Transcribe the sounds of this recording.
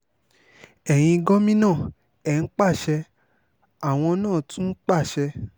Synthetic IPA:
ɛ˨j̃ĩ˧ɡɔ˦mĩ˦nãː˦˨ | ɛ˨n̩˦k͡pa˦˨ʃɛ˧ | a˨w̃ɔ̃˧nãː˦˨tũ˦k͡pa˦˨ʃɛ˧

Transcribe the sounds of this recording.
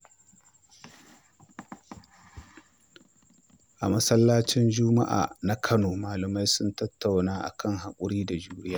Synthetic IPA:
ʔa̰˨mɐ˦sɐ˦lːaː˦t͡ʃɪ˦nd͡ʒʊ˦ma̰˦ʔa̰ː˨na˦kʰɐ˦noː˨maː˨lɐ˨ma˦jsʊ˦ntɐ˦tːa˨wnaː˦ʔa̰˨kʰɐ˦ŋɦa˨kʷʼʊ˦ɽiː˦da˨d͡ʒuː˦ɽɪ˦jaː˦

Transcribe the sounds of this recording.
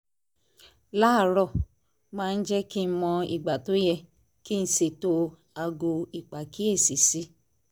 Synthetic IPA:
la˦˨ɾɔ˦˨ | mãː˦˧n̩˦d͡ʒɛ˦ki˦n̩˦mɔ̃˧ḭ˨ɡ͡ba˨to˨˦jɛ˧ | ki˦˧n̩˦se˨to˧ | a˧ɡo˧i˨k͡pa˨ki˦e˦˨si˨˦si˦

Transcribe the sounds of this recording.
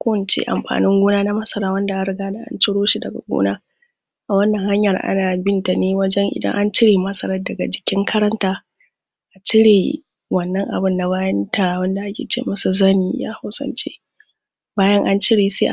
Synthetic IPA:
kʷo˦˨nt͡ʃḛ˦ʔa̰˨mɸa̰ː˨nɪ˦ŋɡʷoː˦naː˦na˦mɐ˦sɐ˦ɾaː˦wɐ˦nda˨ʔa˦ɾɪ˨ɡaː˦da˨ʔa̰˦nt͡ʃɪ˦ɽoː˦ʃi˦dɐ˨ɡa̰˨ɡʷo̰ː˦naː˦ | ʔa˨wɐ˦nːɐ˨ŋha˦ɲjɐ˨rʔa̰˦naː˨bɪ˦nta˨neː˦wɐ˦d͡ʒɛ˦ŋʔɪ̰˨dɐ̰˦ŋʔa˦nt͡ʃɪ˦ɽeː˨mɐ˦sɐ˦ɾɐ˦dɐ˨ɡa˨d͡ʒɪ˨kʲɪ˦ŋkʰɐ˦ɾɐ˦ntaː˦ | ʔa˨t͡ʃɪ˦ɽeː˨ | wɐ˨nːɐ˦ŋʔa̰˨bɪ˦nːa˨βaː˦jɐ˦ntʰa˨wɐ˦nda˨ʔa˦kʲḛː˨t͡ʃḛː˦mɐ˦su˨zɐ˦niː˦ja̰ː˦ha˦wsɐ̰˦nt͡ʃḛː˦ | baː˦jɐ˦ŋʔa˦nt͡ʃɪ˦ɽeː˨sḛː˦ʔa˨

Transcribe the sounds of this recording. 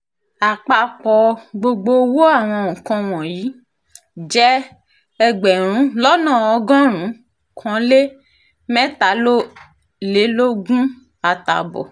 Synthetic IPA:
a˨k͡pa˧k͡pɔ˨ɡ͡bo˧ɡ͡bo˧wo˦a˦˨w̃ɔ̃˧ũ˨kã˧w̃ɔ̃˨jiː˨˦ | d͡ʒɛ˦ | ɛ˧ɡ͡bɛ˨ɾ̃ũ˨˦lɔ˦nãː˦˨ɔ˧ɡɔ̃˦ɾ̃ũ˨˦ | kʰɔ̃˨˦le˦ | mɛ̃˦ta˨˦lo˦ | le˨˦lo˦ɡũ˦ | a˨ta̰˨bɔ̰˨

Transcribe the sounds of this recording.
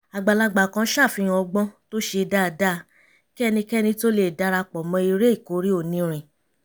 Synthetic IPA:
a˨ɡ͡ba˨la˧ɡ͡ba˨kã˧˦ʃa˦˨fĩ˧ɔ˧ɡ͡bɔ̃˦to˦ʃe˧da˦˧˨da˦˨ | kɛ˦˧nĩ˧kɛ˦nĩ˧to˦le˦˨da˧˦ɾa˧k͡pɔ˨mɔ̃˨˧i˧ɾe˦i˦˨ko˨˦ɾi˦o˦˨nĩ˨˧ɾ̃ĩ˨

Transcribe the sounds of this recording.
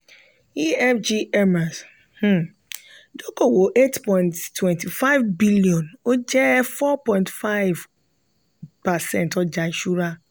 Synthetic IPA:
i˦ɛ˦fd͡ʒi˦ɛ˦ma˨s | h̩˦ | do˦ko˨wo˨ʔe˦tpɔ̃˨ntːwɛ̃˨nti˨fa˦ɪvbi˦li˨ɔ̃˨no˦d͡ʒɛ˦fɔ˦pɔ̃˦ɪ̃ntfa˦ɪv | pa˨sɛ̃˦ntɔ˦d͡ʒa˨i˨ʃu˦ɾa˦

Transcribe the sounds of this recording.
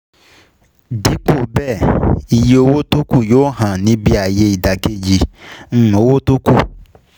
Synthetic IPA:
di˨˦k͡pu˦˨bɛ˦˨i˨je˨o˦wo˦tu˦ku˦˨joː˦ɦã˨nĩ˨˦bi˦a˨je˧˦i˨da˨ke˦d͡ʒi˧ŋ̩˦˨o˨˦wo˦tu˦ku˦˨

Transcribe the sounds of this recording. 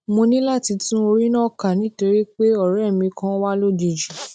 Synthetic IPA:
mo˧nĩ˦la˦˨ti˨˧tũ˦o˧ɾi˦nɔ̃˦˨ka˨nĩ˨˦to˧ɾi˦k͡pe˦ɔ˦˨ɾɛ˦˨mĩ˧kã˧˦wa˦lo˦di˧d͡ʒu˨

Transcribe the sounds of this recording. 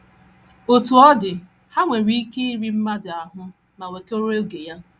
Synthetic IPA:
o˨tu˨ɔ˦dɪ˨ | ha˦ŋʷe˨ɾi˦i˦ke˦i˦ɾi˦m̩˦ma˦dɪ˨a˨ɦʊ˦ | ma˨we˨ke˦o˦ɾo˦ɡe˨ja˦

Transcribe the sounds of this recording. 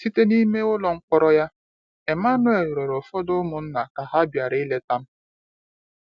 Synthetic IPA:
si˦te˦ni˦me˦ʊ˦lɔ˨ŋ̩˦k͡pɔ˦ɾɔ˦ja˦ | e˨ma˦nʊ˦e˨ɾɔ˨ɾɔ˨fɔ˦dʊ˦mʊ˨n̩˦na˨ka˨ɦa˦bja˨ɾɪ˦le˦ta˦m̩˦

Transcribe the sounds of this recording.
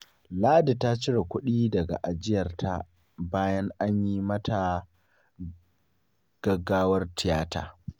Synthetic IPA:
laː˦da˨ta˦t͡ʃɪ˦ɽa˨kʷʊ˦ɗiː˦dɐ˨ɡa̰˨ʔa˨d͡ʒɪ˦jɐ˨rtʰa˦ | baː˦jɐ˦ŋʔa˦ɲjiː˦mɐ˦tʰa˨ | ɡ̥ɐ˦ɡːaː˦wɐ˦rtɪ˨jaː˦ta̰ː˨

